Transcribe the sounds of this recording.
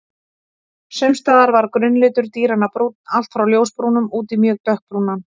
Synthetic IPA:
sʏmst̪aːðaɾvaɾkɾʏnːlɪːt̪ʏɾ̥t̪iːɾanːapɾuːt̪̚nal̥t̪fɾawljowspɾuːnʏmuːt̪imjœːk̚t̪œhk̚pɾuːnan

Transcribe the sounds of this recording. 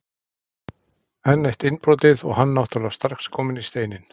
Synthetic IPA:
ɛnːejht̪ɪnpɾoːwt̪ɪðɔ̰ɣhanːawht̪alast̪ar̥xskʰɔːmɪnist̪eːjnɪn

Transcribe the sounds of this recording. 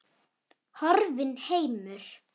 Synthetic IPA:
hɔɾvɪnheːjmʏɾ̥

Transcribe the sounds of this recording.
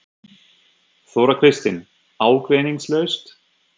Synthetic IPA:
θowɾakʰɾɪst̪ɪn | aːwkvɛniŋslœɥst̪

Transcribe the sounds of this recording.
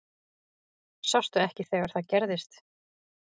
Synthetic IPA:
sɔst̪ʏɛhcɪθɛːɣaɾ̥θaðcɛɾðɪst̪

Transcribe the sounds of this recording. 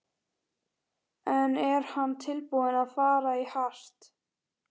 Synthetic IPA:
ɛnɛɾ̥hanːt̪ʰɪlpuðɪnaðfaːɾaihar̥t̪

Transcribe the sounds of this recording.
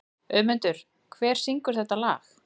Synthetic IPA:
œːmʏnt̪ʏɾ̥ | kʰvɛːɾ̥siŋkʏɾ̥θɛht̪ːala̰ːx

